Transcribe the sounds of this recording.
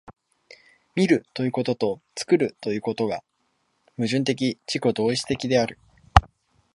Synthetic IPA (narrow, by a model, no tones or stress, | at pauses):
mʲiɾɯ̟t̪o̞jɯ̟ːko̞t̪o̞t̪o̞t͡sɨ̥kɯ̟ɾɯ̟t̪o̞jɯ̟ːko̞t̪o̞ɡa | mɯ̟ʑɨ̃nt̪̬e̞k̬ʲit͡ɕiko̞d̪o̞ːit͡sɨ̥t̪e̞kʲid̪e̞aɾɯ̟